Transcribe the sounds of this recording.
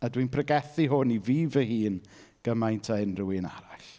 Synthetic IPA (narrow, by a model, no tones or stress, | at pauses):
adwinpʰrəɡɛθiɦʊniviːvəhiːn | ɡ̥əmajntʰaɪnrʊina̰ɾaɬ